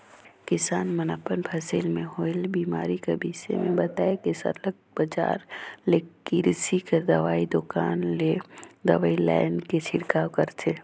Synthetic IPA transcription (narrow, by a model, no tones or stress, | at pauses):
kɪsaːnmənaːpənpʰɐsilmẽhoːɪlbiːmaːɾikəbiːsḛmẽbət̪aːekesə̰ləɡ̚bəd͡ʒa̰ːɾleiɾsikəɾd̪ɐʋaːid̪ʊkaːnled̪ɐ̰ʋaːilɛ̰ɪnket͡ʃʰɪɽkaːwkəɾt̪ʰe